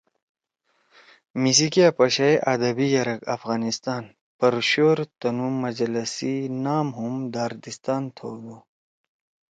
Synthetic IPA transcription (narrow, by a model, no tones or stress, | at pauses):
mis̬ikiɐpɐɕɐjʔɐd̪ɐbijɐɾɐkɐfɣaːnist̪aːn | pɐɾɕoːɾt̪ɐnumɐd͡ʑlɐsinaːmɦumd̪aːɾd̪ist̪aːnt̪ʰoːd̪u